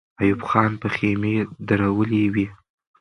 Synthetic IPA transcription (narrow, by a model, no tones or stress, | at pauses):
ajubxɑnpəxemed̪aɾawəlewi